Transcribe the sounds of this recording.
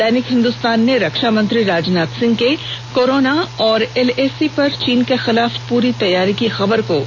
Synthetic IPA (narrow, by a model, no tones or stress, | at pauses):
ɛːnɪkɦɪ̃nd̪ʊst̪aːnːeɾɐkʃamɐ̃nt̪ɾiɾaːd͡ʒnaːt̪sɪ̃ŋɡ̚kekoːɾoːnaɔːɾɛleːsipɐɾt͡ʃiːnkexɪlaːfpuːɾit̪ɐjːaːɾikixɐbəɾkoː